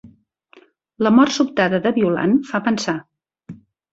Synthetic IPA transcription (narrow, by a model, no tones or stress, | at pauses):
ləmɔrt̪supt̪aðəðəβiula̰nfapənsa